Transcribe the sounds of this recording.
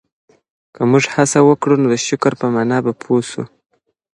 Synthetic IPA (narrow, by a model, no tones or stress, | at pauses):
kəmuʒhasawəkɽunod̪əʃʊkəɾpəmɑnɑbapʰosṵ